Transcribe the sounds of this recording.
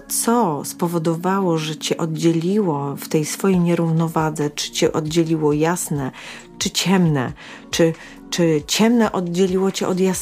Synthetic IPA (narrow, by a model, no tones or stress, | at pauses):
t̪sɔspɔvɔd̪ɔvawɔʐɛt͡ɕɛʔɔd̪d͡ʑelʲiwɔft̪ɛjsfɔjejɲɛɾuvnɔvad̪zɛt͡ʂɘ̥t͡ɕɛʔɔd̪d͡ʑelʲiwɔjasnɛ | t͡ʂɘt͡ɕɛmnɛ̰ | t͡ʂɘ | t͡ʂɘt͡ɕɛmnɛʔɔd̪̚d͡ʑelʲiwɔt͡ɕɛʔɔd̪jas